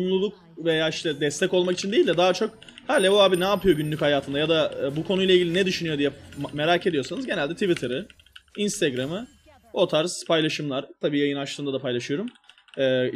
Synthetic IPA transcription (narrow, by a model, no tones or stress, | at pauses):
mlˠulˠuk | ve̞jaːiʃt̪ʰɛd̪ɛst̪ʰɛco̞lˠmakit͡ʃʰind̪eilʲd̪ɛd̪aɦat͡ʃʰo̞khalʲevoaːbinɛːpʰɯjo̞ɟynlʲychajaːt̪ʰɯnd̪ajad̪abukʰo̞nujlˠailʲɟilʲinɛd̪yʃynyjo̞d̪ijɛme̞ɾaːcʰe̞d̪ijo̞sanɯzɟe̞nælʲd̪ɛt̪ʰivit̪ʰɯɾɯ | inst̪ʰeɡɾamɯ | o̞t̪ʰaɾz̥pʰajlˠaʃɯmlˠaɾt̪ʰabiːjajɯnat͡ʃlˠɯːnd̪ad̪apʰajlˠaʃɯjo̞ɾum | ɛː